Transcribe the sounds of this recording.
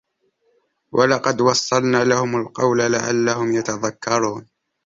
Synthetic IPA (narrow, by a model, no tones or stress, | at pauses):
wʔɑlɑqɑd̪wɑsˤːɑlnaːlahʊmalqɑwlalaʕa̰lːahʊmjat̪ɑðakːɑɾˤuːn